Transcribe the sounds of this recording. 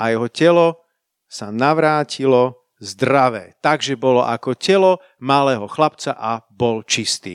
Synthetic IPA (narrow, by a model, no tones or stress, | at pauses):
ʔajɛɦɔcɛlɔ | sanaʋɾaːcilɔ | zd̪ɾaʋɛ̰ːt̪aɡʒɛbɔlɔ̰ʔakɔcɛlɔ | malɛːɦɔxlapt͡saʔabɔlt͡ʃist̪ḭː